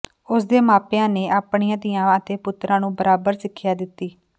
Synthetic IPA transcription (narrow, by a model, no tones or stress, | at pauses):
ʊsd̪eːmaːpjãːneːʔaːpɳiːãːd̪ɪjãːət̪eːpʊt̪ːɾãːnũːbəɾaːbəɾsɪkʰːjaːd̪ɪt̪ːiː